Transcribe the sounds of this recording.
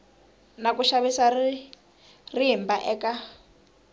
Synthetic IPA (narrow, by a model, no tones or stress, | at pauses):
nakuʃaβisai | riɦimbaʔɛka